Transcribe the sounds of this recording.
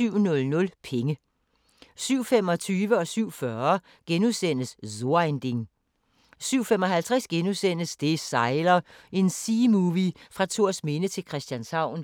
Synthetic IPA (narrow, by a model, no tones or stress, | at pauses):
yʊ̰nɔ̽lnɔ̽lpʰeŋə | syʊ̰fem̰ɒ̽t͡sʰyːʋəɒ̽syʊ̰fɶɐ | ɡ̥enuðˠsen̰əszo̝end̥eŋ | syʊ̰fem̰ɒ̽ɦælt͡sʰʁɛsɡ̥enusen̰əsd̥e̝sɑ̈ɪlɐʔe̝nsiːmuːʋifʁɑ̈t͡sʰo̝ɐsme̝nət͡sʰe̝lkʰʁɛsd̥jænsɑ̈ʊ̰n